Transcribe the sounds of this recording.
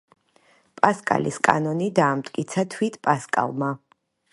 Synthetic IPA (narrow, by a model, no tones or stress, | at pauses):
pʼaskʼa̰liskʼa̰nɔnid̪aːmt̪ʼkʼit̪sʰat̪ʰwit̪ʰpʼaskʼa̰lˠma